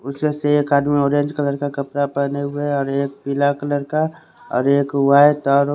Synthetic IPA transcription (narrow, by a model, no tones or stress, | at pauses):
ʊsmeseekːaːɖmẽoːɾẽːɲd͡ʒkələɾkakəpɾapəneɦʊeɔːɾeːk̚pɪlakələɾka | ɔ̰ːɾeːkwaːet̪ɔːɾ